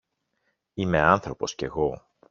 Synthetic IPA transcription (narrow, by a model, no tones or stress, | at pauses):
ime̞ɐnθɾo̞po̞sce̞ɣo̞